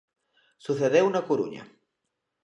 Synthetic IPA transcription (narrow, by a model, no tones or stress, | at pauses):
suθeðewnɐkuɾṵɲɐ̰